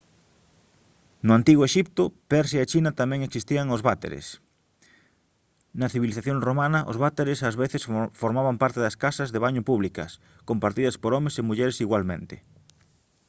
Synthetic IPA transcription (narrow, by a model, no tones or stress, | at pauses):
nʊant̪iɣoeʃip̚t̪ʊpɛɾʃjaet͡ʃinɐt̪amɛ̃ŋeksist̪iɐŋozβat̪ḛɾḛs | nɐθiβiliθaθjoŋromanɐʔo̰zβat̪eɾesazβeθesfoɾmaβampaɾt̪eðɐskasɐzðeβaɲopuβlikɐs | kompaɾt̪iðɐspoɾɔmesemuʎeɾesiɣwalmḛ̃nt̪ḛ